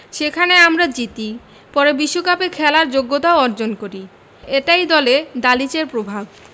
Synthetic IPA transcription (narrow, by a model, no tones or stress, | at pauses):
ʃekʰaneamɾad͡ʑit̪i | pɔɾebiʃːokapekʰɛlaɾd͡ʑoɡːot̪aoɔɾd͡ʑonkoɾi | eʈajd̪ɔled̪alit͡ɕeɾpɾobʱab